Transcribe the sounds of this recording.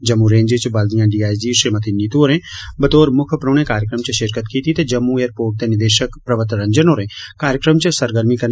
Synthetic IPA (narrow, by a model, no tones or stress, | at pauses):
d͡ʒɐmːuɾẽːɲd͡ʒet͡ʃbɐld̪ijãːɖiːaːjd͡ʒiːʃiɾmət̪ʰinit̪uoːɾẽːbət̪oːɾmʊkʰəpɾoːñẽkaːɾjəkɾəmt͡ʃəʃɪɾkət̪kiːt̪it̪ed͡ʒɐmːũeːɾpoːʈ̚t̪eːnɪd̪eːʃəkpɾɐʋət̪ɾəɲd͡ʒənoːɾẽːkaːɾjəkɾəmt͡ʃəsəɾɡəɾmikɐɾ